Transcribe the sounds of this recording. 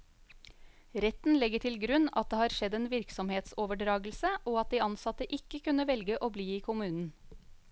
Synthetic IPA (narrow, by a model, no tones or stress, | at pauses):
ɾɛt̪n̩lɛɡəʈʰɪlɡɾʉnɑt̪̚d̪eːhɑːɾʃɛd̪eːnʋɪɾksɔmheːt̪soːʋəɖɾɑːɡl̩səʔoːɑt̪̚d̪iːɑnsɑt̪əʔɪkəkʰʉnəʋɛlɡəʔoːbliːiːkʰʊmʉːnn̩